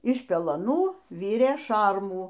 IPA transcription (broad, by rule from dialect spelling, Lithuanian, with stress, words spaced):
ɪʃ pʲɛlˠɐˈnuː ˈʋʲɪrʲeː ˈʃɐrmuː